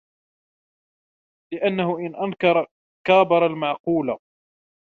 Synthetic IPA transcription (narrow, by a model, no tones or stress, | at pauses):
lɪʔanːaɦʊʔɪnʔankɑɾˤ | kaːbɑɾˤɑlmaʕquːla